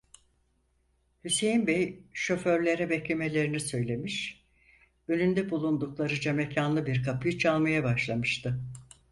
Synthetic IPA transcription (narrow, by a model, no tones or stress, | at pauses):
hysejinbejʃo̞fø̞ɾlʲe̞ɾɛbeclʲimelʲe̞ɾinisø̞jlʲe̞miʃ | ølʲynd̪ɛbulˠund̪uklˠaɾɯd͡ʒemecʰanlˠɯbiɾkʰapɯjɯt͡ʃʰalˠmajabaʃlˠamɯʃt̪ʰɯ